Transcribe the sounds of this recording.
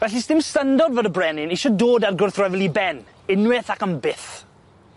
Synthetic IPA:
vɛɬisdɪmstəndɔdvədəbrɛnɪniʃɔdoːdarɡʊrθrɛvlˠibɛn | ɪnwɪθakəmbɪθ

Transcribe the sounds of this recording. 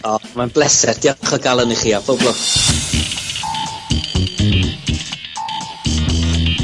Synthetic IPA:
ɔmanblˠɛsɛrd̥jɔχɔɡalˠəniχiːab̥ʰɔblˠɔ

